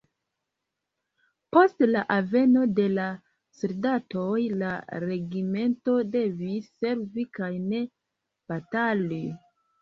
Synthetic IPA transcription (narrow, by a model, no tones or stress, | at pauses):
po̞stlaʔave̞no̞de̞la | soldatojlaɾe̞ɡime̞nto̞de̞visːe̞ɾvikajne̞ | b̥atali